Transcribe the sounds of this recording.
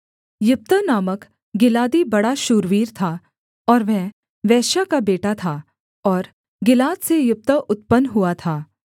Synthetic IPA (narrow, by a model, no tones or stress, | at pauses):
jʊp̚t̪ənaːmək | ɡɪlaːd̪ibɐɽaʃuːɾʋiːɾt̪ʰa | ɔːɾʋɛ̃ɦ | ʋɛːʃakabeːʈat̪ʰaː | ɔːɾ | ɡɪlaːd̪sejʊp̚t̪əʔʊt̪̚pənɦuat̪ʰaː